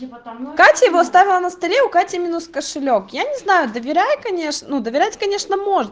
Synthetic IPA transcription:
katʲɪjɪvoɐst̪avʲɪlˠənəst̪ɐɾʲeʊkatʲimʲinuʊskəʂɨlʲokjanʲɪznajʊd̪əvʲɪɾʲæjkɐnʲe̞ʂnud̪əvʲɪɾʲætʲkɐnʲeʂnəmo̞ʐn

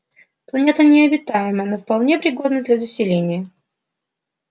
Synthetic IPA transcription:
plˠɐnʲe̞t̪ənʲɪɐbʲɪt̪ajɪməɐnofpɐlˠnʲe̞pɾʲɪɡo̞d̪nəd̪lʲɐzəsʲɪlʲenʲɪjə

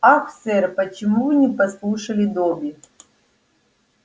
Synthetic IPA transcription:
axsɛɾpɐt͡ɕɪmuvɨnʲipɐslˠuʂɐlʲid̪obʲi

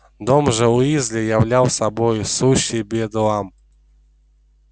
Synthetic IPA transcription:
d̪omʐɨʊizʲlʲɪjɐvlʲawˠsɐbojʊsuɕːɪbʲed̪ɨam

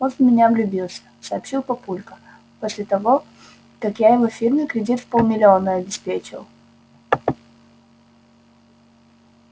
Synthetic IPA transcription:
onmʲɪnʲavlʲʊbʲilˠsʲə̥sɐːpɕilˠpɐpulʲkə̥ | posʲlʲɪt̪ɐvo̞ | kakjajɪvofʲirmnɨkɾʲɪdʲit̪fpolˠmʲɪlʲɪonəɐbʲɪspʲet͡ɕɪvə̰lˠ

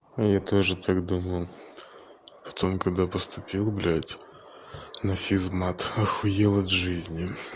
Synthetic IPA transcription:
ɐjat̪oʐɨt̪ʰakd̪uməjʊ | pɐ̥t̪omkɐɡd̪apəst̪ʊpʲilˠblʲatʲ | nɐfʲizmat̪ɐxʊjelˠɐd̪ʐɨzʲnʲɪ

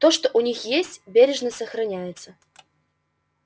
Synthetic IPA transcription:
t̪ɔʂt̪ɔʔunʲixjesʲt͡sʲbʲeɾɛʐnɐsɐxɾanʲajɛt̪sːɐ

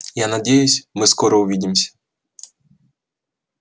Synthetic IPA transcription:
janɐdʲejʊsʲmɪskɔɾɔʊʋʲidʲɪmsʲɐ̥

